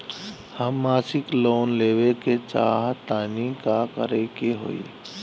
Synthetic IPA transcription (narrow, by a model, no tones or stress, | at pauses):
həmːaːsɪkloːnleːweket͡ʃa̰ːɦt̪aːnikakə̰ɾekeɦo̰ːḭ